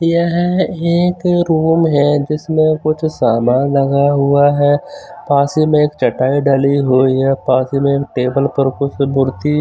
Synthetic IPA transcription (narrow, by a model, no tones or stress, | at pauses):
jɐɦeːkɾuːmɦɛd͡ʒɪsmẽkʊt͡ʃʰsaːmaːnlɐɡaɦʊaɦɛːpaːsimẽeːkt͡ʃɐʈaːiɖaliɦoːiɦɛpaːsimẽeːk̚ʈeːbəlpɐɾkʊt͡ʃʰmʊɾt̪i